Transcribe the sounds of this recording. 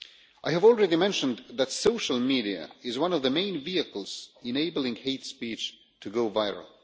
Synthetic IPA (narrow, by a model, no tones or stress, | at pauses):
ʔaɪævɔl̩ˠɹɛɾimɛ̃nʃɨ̃nðɨtsoʊʃl̩ˠmiɾiɨ̰ɪzwʌ̃nʌvðɨmẽɪ̃nviɨkl̩ˠz̥ɨ̃neɪbl̩ˠɪ̃ŋheɪtspit͡ʃ | tʰɨɡoʊvaɪɹə̰l̩ˠ